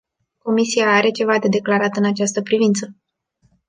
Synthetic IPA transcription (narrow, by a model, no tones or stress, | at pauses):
ko̞misiaaɾe̞t͡ʃe̞vad̪e̞d̪e̞klaɾat̪ɨnat͡ʃast̪əpɾivint̪sə